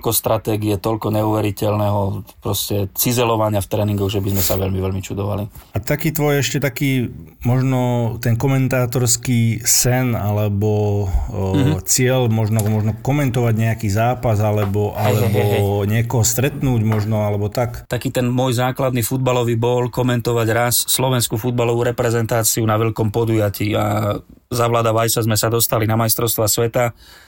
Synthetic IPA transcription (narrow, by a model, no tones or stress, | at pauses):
kɔst̪ɾat̪ɛːɡiɛt̪ɔlkɔɲɛuʋɛɾicɛlnɛɦɔpɾɔscɛt͡sizɛlɔʋaɲɪaft̪ɾɛːniŋɡɔɣʒɛbizmɛsaʋɛʎmiʋɛʎmit͡ʃud̪ɔʋa̰liat̪akiːt̪ʋɔjɛʃcɛt̪akiːmɔʒnɔt̪ɛnkɔmɛnt̪aːt̪ɔɾskiːsɛnalɛbɔ | t͡sɪɛʎmɔʒnɔmɔʒnɔkɔmɛnt̪ɔʋaɟɲɛakiːzaːpazalɛbɔʔalɛbɔɲɪɛkɔɦɔst̪ɾɛt̪nuːɟmɔʒnɔalɛbɔt̪akt̪akiːt̪ɛnmʊɔjzaːklad̪nifud̪̚balɔʋiːbɔlkɔmɛnt̪ɔʋaɟɾasːlɔʋɛnskufud̪balɔʋuɾɛpɾɛzɛnt̪aːt͡siunaʋɛʎkɔmpɔd̪ujaciːa | zaʋlaːd̪aʋajsazmɛsad̪ɔst̪alinamajst̪ɾɔʊst̪ʋasʋɛt̪a